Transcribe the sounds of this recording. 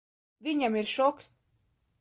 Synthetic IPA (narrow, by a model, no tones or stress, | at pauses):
vʲiɲʲamiɾʃɔks